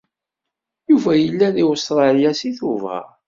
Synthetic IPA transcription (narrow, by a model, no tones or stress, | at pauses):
juvæjəlːæðiʊst̪ɾˤɑljæsiθuvʁə̰